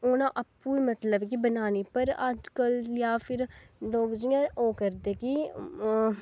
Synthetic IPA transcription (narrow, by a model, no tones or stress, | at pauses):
oːnãʔəpːuːimət̪ləbkibənaːnepəɾa̰d͡ʒkəljaːpʰɪɾloːɡd͡ʒijãoːkəɾd̪eːki